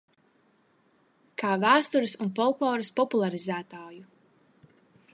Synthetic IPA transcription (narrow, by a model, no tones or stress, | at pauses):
kʰaːvæːst̪uɾɨsunfɔlˠklˠɔːɾɐspɔpulˠaɾizæːt̪aːju